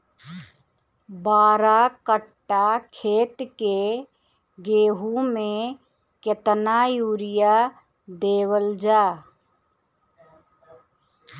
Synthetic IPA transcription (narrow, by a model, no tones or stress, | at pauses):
baːɾakəʈːakʰeːt̪ke | ɡeːɦumẽ | kjət̪najuːɾɪja | d̪eːwəld͡ʒaː